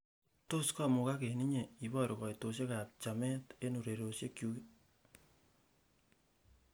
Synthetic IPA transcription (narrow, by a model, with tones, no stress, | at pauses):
to˦skɔ˦mu˨ka˦ke˨ni˦ɲe˨i˨bɔ˦ɾo˨kɔ˨jto˨s̬e˦kap̚t͡ʃa˨mɛ˦te˦nu˨ɾe˨ɾo˨se˦kjuke